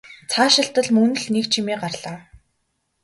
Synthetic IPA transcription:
t͡sʰaːʃɪ̆ɬt̪ə̆ɮmɵnɵ̆ɮnekt͡ɕʰimiːɢarɮ̥aː

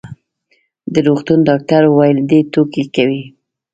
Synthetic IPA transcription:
d̪əɾoxt̪und̪ɑk̚t̪aɾwajld̪et̪okekawi

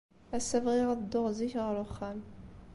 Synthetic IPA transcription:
æsːævʁiʁaðəd̪ːʊʁziçʁəɾʊχːæl

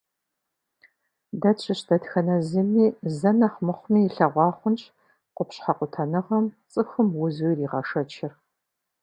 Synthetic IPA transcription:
dɐt͡ʃʰʼɪɕdɐtxɐnɐzɨmiːzɐnɐχmɨχʷmiːɬɐʁʷɑːχʷʊnt͡ʃʼ | qʷʊpɕħɑqʷʊtʰɐnɨʁɐmt͡sʼɨxɨmwʊzuriːʁɐʂɐt͡ʃʰɪr

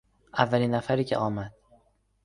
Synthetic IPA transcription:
avːalinːafaɾikʲʰɪʔɒːmad̪̥̚

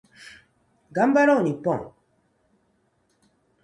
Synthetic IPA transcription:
ɡambaɾɔnipɔ̃

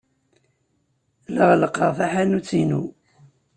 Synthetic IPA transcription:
ləʁləqːəʁfaħanut͡sːinṵ

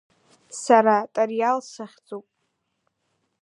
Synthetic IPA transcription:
saɾatʼarjalsaχʲd͡zupʼ

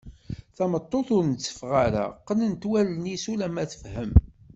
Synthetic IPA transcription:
θæmət̪ˤːoθʊɾnt͡sːə̥fʁaɾæ̰qːənənt̪wælənisulæmæθə̥fhəm

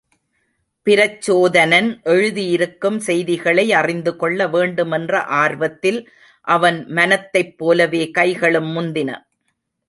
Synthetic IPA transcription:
pɪɾɐt͡ʃːoːðɐnɐnʔɛɻɯðijɪɾɯkːɯmsɛjðɪɣɐɭɐɪɐrɪnd̪ɯkɔɭːɐʋeːɳɖɯmɛndrɐ̰ʔaːɾʋɐt̪ːɪl | ʔɐʋɐnmɐnɐt̪ːɐɪpːoːlɐʋeːkɐɪɣɐɭɯmːʊnd̪ɪnɐ̰

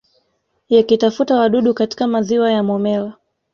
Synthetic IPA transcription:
jakitafutawaɗuɗukati̥kamaziwajamɔmɛla

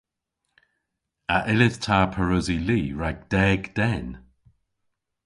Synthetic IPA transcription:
aʔɪlɪðtʰaːpʰəɹʊziliːɹaɡ̚d̥ɛːɡd̪̥ɛn

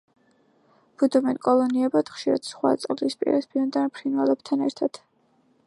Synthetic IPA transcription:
b̥ud̪ɔmɛnkʼɔlˠɔniɛbad̪χʃiɾa̰d̪̥sχwa̰t̪sʼlispʼḭɾɛspʰiɔnd̪anpʰɾinwɛlɛb̥t̪ʰanɛɾt̪ʰad̪̥

